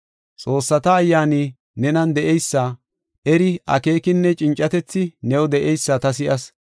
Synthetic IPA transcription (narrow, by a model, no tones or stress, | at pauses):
t͡sʼo̞ːsːɐt̪ɐːjːaːni | nɛnɐnd̪ɛʔɛjsːa | ʔɛɾɪʔɐ̰ke̞ːkɪnːɛt͡ʃʼɪnt͡ʃʼːɐt̪ɛt͡sːɪnɛwɔd̪ɛʔɛjsːɐt̪ɐs̬ɪʔɐs